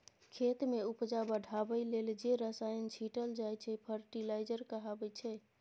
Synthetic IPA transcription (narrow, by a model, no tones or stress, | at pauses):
kʰet̪meupd͡ʒabəɖʱabəjleld͡ʒeɾəsajənt͡ʃʰiʈəld͡ʒajt͡ʃʰɛpʰəɾʈilajd͡ʒəɾkəɦabɛt͡ʃʰɛ